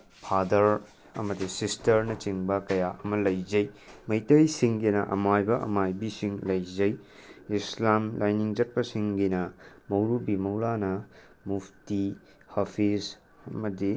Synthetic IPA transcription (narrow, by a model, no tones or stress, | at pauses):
pʰadɐɾ | ɐ̰mɐdisistɐɾnɐt͡ʃiŋbɐkɐjaɐmɐlɐjzɐjmɐjtɐjsiŋɡinɐʔɐ̰majbɐʔɐ̰majbisiŋlɐjzɐj | islamlʔajniŋd͡ʒɐt̚pɐsiŋɡinɐmɐwɾubimɐwɾanɐ | mupʰti | hɐpʰis | ɐmɐdi